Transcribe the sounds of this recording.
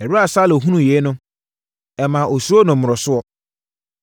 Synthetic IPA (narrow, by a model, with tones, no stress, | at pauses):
ɛ˨ɾa˦˨saː˦lo˨ɦũ˦nũ˦jɛ˨˦nʊ̃˦ | ɛ˨mã˨ʔo˨so˦nʊ̃˨mːʊ˨ɾɔ˨sʊ˦ɔ˦